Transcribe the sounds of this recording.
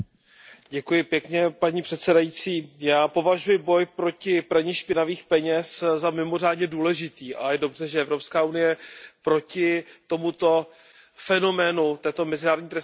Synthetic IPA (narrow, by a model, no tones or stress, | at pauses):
ɟɛkujɪpjɛkɲɛpaɲipr̥ɛt̪sɛdajit͡siːjaːpo̞vaʒujɪbo̞jpɾo̞cɪpɾaɲɪʃpɪnaviːxpɛɲɛszamɪmo̞r̝aːdɲɛduːlɛʒɪt̪iːʔa̰jɛdo̞brɛʒɛʔɛvɾo̞pskaːunɪjɛpɾo̞cɪt̪o̞mut̪o̞ | fɛno̞mɛnut̪ɛːt̪o̞mɛzɪnaːɾo̞dɲiːt̪ɾɛs